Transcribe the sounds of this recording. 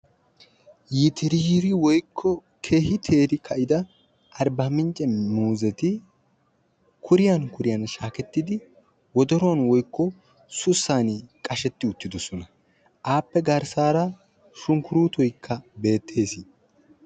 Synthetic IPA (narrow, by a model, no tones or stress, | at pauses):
jɪt̪ɪɾiɾɪwɔjkʰːɔ | kʰe̞ːhɪt̪ʰeːɾɪkʰɐʔɪd̪ɐ | ʔɐɾbɐmɪnt͡ʃʼɛmuːzɛt̪ɪ | kʰʊɾɪjɐnkʊɾɪjɐnʃaːkɛt̪ːɪd̪ɪ | wɔd̪ɔɾɔwɐnwɔjkːɔ | sʊsːaːnɪkʼɐʃɛt̪ːɪʊt̪ːɪd̪ɔsɔnɐ | ʔaːpːɛɡɐɾsaːɾɐ | ʃʊŋkʊɾuːt̪ɔjkʰːɐbe̞ːt̪ʰːe̞ːsɪ